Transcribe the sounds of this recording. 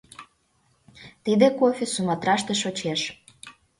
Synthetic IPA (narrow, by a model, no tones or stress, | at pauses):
t̪id̪ekofʲisumɑt̪ɾɑʃt̪eʃot͡ɕeʃ